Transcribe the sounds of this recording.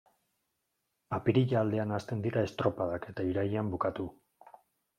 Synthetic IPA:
apiɾiʎaːld̪e̞anast̪e̞nd̪iɾae̞st̪ɾo̞pað̞ake̞t̪aiɾajeambukat̪u

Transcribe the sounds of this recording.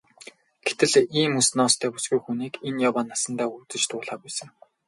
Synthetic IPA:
ɡ̥et̪ɘ̆ɮiːmusnɔːst̪ʰæːpʊ̥sɡujxuniːkenjawaːnasə̆nt̪aːut͡sɘ̆t͡ɕt̪ʊːɮaːpæːsə̆ŋ

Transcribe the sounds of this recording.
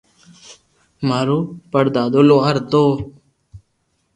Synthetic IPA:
maːɾoːpəɽd̪aːd̪oːloːaɾt̪oː

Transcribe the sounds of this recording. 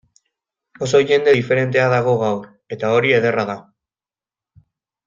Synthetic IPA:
o̞so̞ʝe̞nd̪e̞ife̞ɾe̞nt̪e̞aðaɣ̞o̞ɣ̞awɾ | e̞t̪ao̞ɾie̞ð̞e̞raða

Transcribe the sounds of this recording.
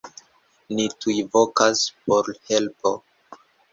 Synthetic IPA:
nitujvokaspoɾhe̞lpo̞

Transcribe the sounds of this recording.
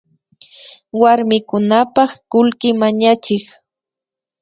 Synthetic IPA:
waɾmɪkʊnapɑχkʊlkɪmaɲat͡ʃɪk

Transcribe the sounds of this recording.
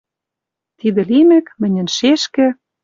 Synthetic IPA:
t̪id̪ɘ̆limɘ̆kmɘ̆nʲɘ̆nʃeʃkɘ̆

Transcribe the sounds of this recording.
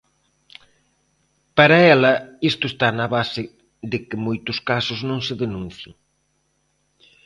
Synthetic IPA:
pɐɾɐɛlɐist̪ʊest̪anɐβasɪ | ðɪkɪmojt̪ʊskasʊznõŋsɪðenũn̟θjɪ̰ŋ

